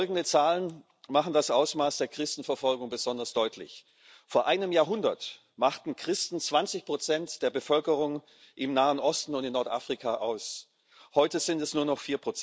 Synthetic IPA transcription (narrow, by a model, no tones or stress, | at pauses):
lɡŋ̩dət͡saːlən | maχn̩dasʔaʊsmaːsd̥eːɐkʁ̥ɪstn̩fɛɐfɔlɡʊŋbəzɔndɐsd̥ɔʏtʰlɪ̰ç | foːɐʔaɪnəmjaːɐɦʊndɐt | maχtn̩kʁ̥ɪstn̩t͡sv̥ant͡sɪçpʁ̥ot͡sɛntd̥eːɐbəfœlkəʁ̞ʊŋ | ʔɪmnaːənʔɔstn̩ʊntɪnːɔɐtʔa̰ːfʁ̥ikʰaʔaʊs | hɔʏtəzɪntɛsnuːɐnɔχfiːɐpʁ̥ot͡s